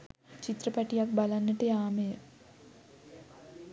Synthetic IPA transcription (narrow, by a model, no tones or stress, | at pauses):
t͡ʃit̪rəpæʈijak̚balanːəʈəjaːməjə